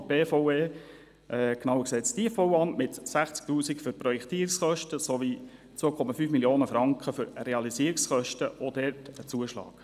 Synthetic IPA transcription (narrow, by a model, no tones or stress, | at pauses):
b̥eːfoweː | ʔɛknɑʊəksɛːtsd̥iəfowɑmmɪtsæχt͡sk̚tuːsikfʏɾpɾɔjɛkt̪iːɾɪksχœʃtəsovi | t͡sʋoːkʰɔmɑfyːfmiljoːnəfɾɑŋkχəfʏɾreɑlisiəɾiksχœʃtəod̥̪ɛːɾtət͡suəʃlɑ̰ːk